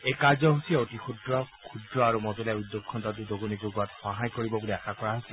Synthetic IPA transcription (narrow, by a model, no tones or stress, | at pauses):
ejkaɹzɔɦusiɛotixʰudɹɔkʰudɹɔaɹumɔzɔlaudːokʰːɔntat̬udoɡunikoɡuatxɔɦajkoɹibɔbuliaxakɔɹaɦosɛ